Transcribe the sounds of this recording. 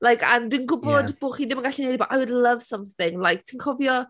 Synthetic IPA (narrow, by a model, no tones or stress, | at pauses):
lajkʰa̰ndinɡʊbɔdb̥oːχiːðɪmənɡaɬɛnejdibaʔajwdlˠəvsə̃mθɪŋlˠajk̚tʰinkʰɔvjɔ